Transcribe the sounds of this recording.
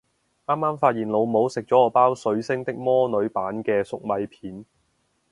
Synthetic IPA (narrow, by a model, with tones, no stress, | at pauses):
ʔaː˥mːaː˥mfaː˧t̚jiː˨nlo˨˧wmo˨˥wsɪ˨k̚t͡sɔː˨˥ɔː˨˧˥paː˥wsɵ˨˥ɥsɪ˥ŋt̪ɪ˥k̚mɔː˥nɵ˨˧ɥpaː˨˥nkɛː˧sʊ˨k̚mɐ˨˧jpʰiː˨˥n